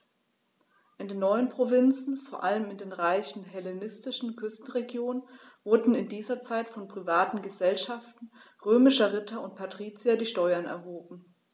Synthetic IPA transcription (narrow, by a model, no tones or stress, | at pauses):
ʔɪndeːnːɔʏənpʁ̥ovɪnt͡sn̩foːɐʔaləmɪndeːnʁaɪçn̩ɦɛlenɪstɪʃn̩kʰʏstn̩ʁeɡjoːnən | vʊɐdn̩ɪndiːzɐt͡saɪtfɔnpʁ̥ivaːtn̩ɡəzɛlʃaftn̩ | ʁøːmɪʃɐʁɪtʰɐʊnt̚pʰatʁ̥iːt͡siadiːʃtɔʏɐnɛ̰ɐɦoːbm̩